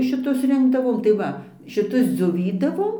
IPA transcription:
ʃʲɪˈtʊs ˈrʲɪŋɡdɐʋoːm tɐɪ ˈʋɐ ʃʲɪˈtʊs d͡zʲoːˈʋʲiːdɐʋoːm

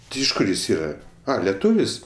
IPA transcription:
ˈtʲɪ ɪʃ ˈkʊr ˈjɪs ˈiːrɐ ˈɐ lʲɛˈtuːʋʲɪs

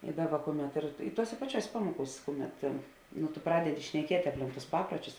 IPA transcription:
ɪ ˈdɑːˌbɐ ˈkʊˌmʲɛt ɪr ɪ ˈtuɔsʲeː pɐˈt͡ʃʲuɔsʲeː ˈpɑːmuɔkuːsʲ ˈkʊˌmʲɛt nʊ tʊ ˈprɑːdʲɛdʲɪ ʃʲnʲɛˈkʲiɛtʲ ɐpʲˈlʲɪŋk tʊs ˈpɑːpruɔt͡ʃʲʊs

